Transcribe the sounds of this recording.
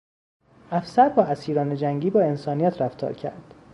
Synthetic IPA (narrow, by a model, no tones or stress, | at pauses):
ʔæfsæɾbɒːæsiːɾɒːned͡ʒæŋɟiːbɒːe̞nsɒːnijæt̪ʰɾæft̪ʰɒ̰ːɾcʰæ̰ɾd̪̥